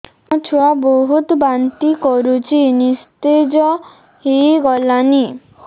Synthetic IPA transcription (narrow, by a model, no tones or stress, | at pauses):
ɔt͡ʃʰuwaboɦut̪bant̪ikɔɾut͡ʃʰinist̪ed͡ʒɔ | hiɡɔlani